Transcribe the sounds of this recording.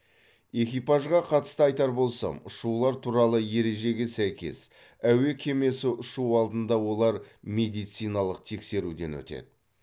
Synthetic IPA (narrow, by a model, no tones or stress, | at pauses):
e̞kʲijpɑʒʁɑqʰɑt̪ə̥st̪əɑjt̪ɑɾbo̞lˠsɑ̰mʊʃuwlˠɑɾt̪ʰuɾɑlˠəje̞ɾe̞ʒe̞ɡʲe̞sæjkʲe̞̰s | æwe̞kʲʰe̞me̞sɪʔʊʃuwɑlˠd̪ənd̪ɑwo̞lˠɑɾme̞d̪ijt̪sijnɑlˠəq̚t̪ʰe̞kse̞ɾud̪e̞nwɵ̰t̪e̞̰d̪ɪ